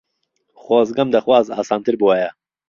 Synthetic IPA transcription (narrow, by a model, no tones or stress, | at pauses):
xoːzɡɐmd̪ɐxwaːza̰ːsaːnt̪ɨɾbɨwɛjɐ